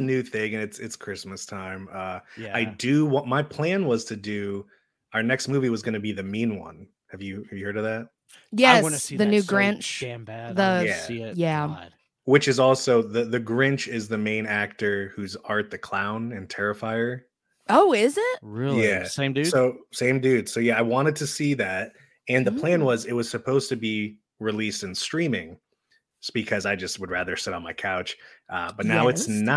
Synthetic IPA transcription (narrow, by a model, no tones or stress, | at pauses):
nʉθɪ̃ŋɨ̃nɨtsɨtskʰɹ̥ɪsmɨstʰãɪ̃mʌaɪdɨwʌt̚maɪpʰl̥æ̃nwʌz̥tʰɨdʉ | aʊə˞nɛkstmʉviwʌzɡʌnɨbiðɨmĩnwʌ̰̃n | hɨvjɨhɨvjɨhɜ˞ɾʌvðæt̚ | jɛsniðɨnʉɡɹɪ̃nt͡ʃmðəjæjæ | wɨt͡ʃɨzɔlˠsoʊðɨðɨɡɹɪ̃nt͡ʃɪzðɨmẽɪ̃næk̚tə˞hʉzɑɹt̪̚ðɨkʰl̥ãʊ̃nɨ̃ntʰɛɹɨfaɪə˞ | ʔoʊɪzɪt̚ɹɪlˠjæsẽɪ̃mdʉssoʊsẽɪ̃mdʉd̥soʊjæaɪwɑ̃ɾ̃ɨd̚tʰɨsiðæt̚ | ɨ̃nðəpʰl̥æ̃nwʌzɪt̚wʌz̥sɨpʰoʊz̥tɨbi | ɹilistɨ̃nstɹ̥ĩmɪ̃ŋ | b̥ɨkʰʌzaɪd͡ʒʌst̚wəd̚ɹæðə˞sɪɾn̩maɪkʰaʊt͡ʃʔʌb̥ʌtⁿnaʊɨtsn